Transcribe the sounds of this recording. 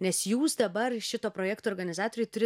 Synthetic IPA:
nʲɛsjuːsd̪ɐbɐrʃʲɪt̪oːpɾoːjɛːkt̪oːɾɡɐnʲɪzɑːt̪oːɾʲɛɪt̪ʊɾʲɪ

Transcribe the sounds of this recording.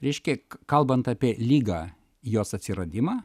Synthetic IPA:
ɾʲɛɪʃʲkʲɛkɐlˠbɐnt̪ɑːpʲiɛlʲiːɡɑ | joːsɐt̪ʲsʲɪɾɐd̪ʲɪmɑː

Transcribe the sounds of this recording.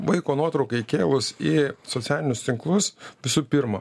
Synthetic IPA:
ʋɐɪkoːnuɔt̪ɾɐʊkɐɪkʲeːlˠʊsisot̪ʲæːlʲɪnʲʊst̪ʲɪŋklˠʊsʋʲɪsuːpʲɪɾmɐ

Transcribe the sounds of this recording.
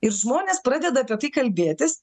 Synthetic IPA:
ɪɾʒmoːnʲeːspɾɑːd̪ʲɛd̪ɐɐːpʲiɛt̪ɐɪkɐlʲbʲeːt̪ʲɪs

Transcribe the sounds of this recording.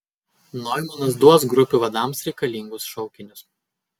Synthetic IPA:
nɔjmʊnɐsd̪uɔs̬ɡɾʊpʲuʋɐd̪ɑˑmsɾʲɛɪkɐlʲiŋɡʊsʃɔʊkʲɪnʲʊs

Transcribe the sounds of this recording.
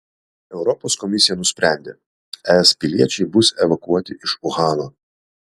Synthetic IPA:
ɛʊɾɔpoːskɔmʲɪsʲɪjɛnʊsʲpʲɾʲæˑnʲd̪ʲḛ | ɛɛspʲɪlʲiɛt͡ʃʲɛɪbʊsʲɛʋɐkuɔt̪ʲɪʔɪʃʊɣɑːnoː

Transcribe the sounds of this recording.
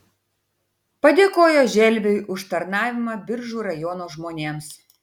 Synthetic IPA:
pɐd̪ʲeːkoːjoːʒʲɛlʲʋʲɛjʔʊʃt̪ɐɾnɑːʋʲɪmɐbʲɪɾʒuːɾɐjɔːnoːʒmoːnʲeːms

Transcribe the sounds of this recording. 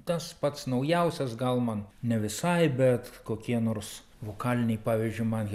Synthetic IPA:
t̪ɐspɐt̪snɐʊjɛʊsʲɛsɡɐlˠmɐnnʲɛʋʲɪsɐɪbʲɛt̪koːkʲiɛnoːrs | ʋoːkɑːlʲɪnʲɛɪpɑːʋʲɪzʲd͡ʒʲʊɪmɐn

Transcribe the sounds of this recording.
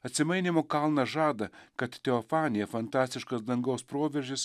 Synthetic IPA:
ɐt̪ʲsʲɪmɐɪnʲɪmoːkɐlˠnɐʒɑːd̪ɐkɐt̪t̪ʲɛɔfɑːnʲɪjɛfɐnt̪ɑːsʲt̪ʲɪʃkɐsd̪ɐŋɡɐʊspɾoːʋʲɛɾʲʒʲɪs

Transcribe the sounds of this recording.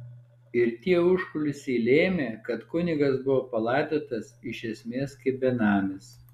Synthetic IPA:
ɪɾt̪ʲiɛʊʃkʊlʲʊsʲiːlʲeːmʲeːkɐt̪kʊnʲɪɡɐsbʊʋoːpɐlˠɑɪd̪oːt̪ɐsɪʃʲɛsʲmʲeːskɐɪbʲɛnɑːmʲɪs

